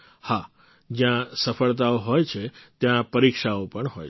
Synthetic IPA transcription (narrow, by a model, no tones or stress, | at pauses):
ha | d͡ʒjãsəfəɭt̪aoɦojt͡ʃʰet̪jãpəɾikʃaopəɳɦoj